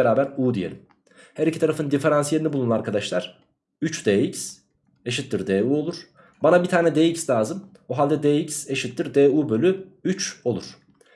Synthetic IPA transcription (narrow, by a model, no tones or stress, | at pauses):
eɾaːbæɾuːd̪ijḛim | hæɾicʰit̪aɾafɯnɯnd̪ife̞ɾansje̞ɾʲinibulˠunuaɾkʰad̪aʃlˠaɾ̥ | yt͡ʃd̪eːics | eʃ̬it̪ːiɾd̪eːuːo̞lˠuɾ̥ | banabit̪ʰaːnɛd̪eːicslʲaːzɯm | oɦalʲd̪ɛd̪eːicse̞ʃit̪ːiɾd̪eːuːbø̞lʲyyt͡ʃo̞lˠuɾ̥